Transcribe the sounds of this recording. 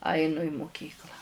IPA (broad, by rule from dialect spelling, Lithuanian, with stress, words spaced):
ˈɐɪnʊ ɪ mʊˈkʲiːklˠɑː